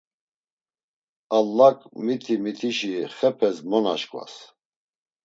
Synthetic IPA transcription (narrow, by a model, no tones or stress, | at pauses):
alːakʼmit̪ʰimit̪ʰiʃiχɛpʰɛsmɔna̰ʃkʼva̰s